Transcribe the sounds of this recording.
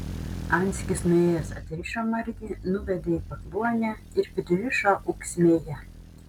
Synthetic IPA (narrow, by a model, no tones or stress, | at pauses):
ɑnʲsʲkʲɪsnʊeːjɛsɐ̰t̪ʲɾʲɪʃomɐɾʲɡ̪ʲiːnʊʋʲɛd̪ʲeiːpɐkluɔnʲæ | ɪɾpʲɪd̪ʲʊʋʲɪʃoʔʊksʲmʲeːjɛ